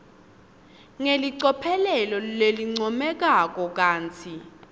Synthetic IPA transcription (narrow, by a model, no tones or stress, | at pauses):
ŋeliǀɔpʰɛlɛlɔleliŋ͡ǀɔmɛk̬ak̬ʼɔk̬ʼaːnt͡sʰi